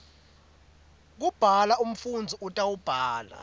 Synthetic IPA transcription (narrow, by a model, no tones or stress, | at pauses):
k̬ub̥ʱalaum̩fund͡zʱiʔutʼawub̥ʱaːla̰